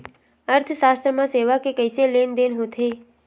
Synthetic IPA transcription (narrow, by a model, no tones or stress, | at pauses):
əɾt̪ʰʃast̪ɾəmãseʋakekəjselend̪enɦũt̪ʰe